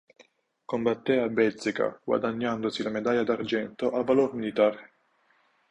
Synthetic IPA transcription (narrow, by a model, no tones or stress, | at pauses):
kombat̪ːɛabɛlsika̰ɡ̥wa̰d̪aɲːand̪osilamed̪ajad̪ard͡ʒɛnt̪oʔavalormilit̪aːɾe